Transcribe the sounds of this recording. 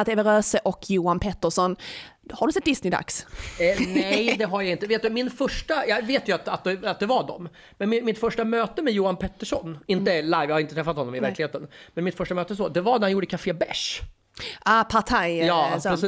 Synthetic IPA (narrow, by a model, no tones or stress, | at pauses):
at̪ɛːvəɾøːsəʔɔkʰjuːanpʰɛt̪ːəʂɔnhaɖɵsɛt̪̚d̪ɪsnɪd̪a̰ks | nɛjd̪ɛɦaɾjaɪnt̪əveːt̪d̪ɵmɪnfœʂʈajɑveːt̪jɵat̪at̪̚d̪ɛat̪̚d̪ɛvaɖɔ̰m | mɛnmɪmɪt̪fœʂʈamøːt̪əmɛjuːanpʰɛt̪ːəʂɔ̰nɪnəlajvjaːhaɾɪnət̪ɾɛfːat̪hɔnːɔmɪvæɾklɪheːt̪ənmɛnmɪt̪fœʂʈamøːt̪əs̬ɔd̪ɛvaɾnæɾhanjuːɖəkʰafeːbɛʂ | ʔapʰat̪ʰajjɑːsɔ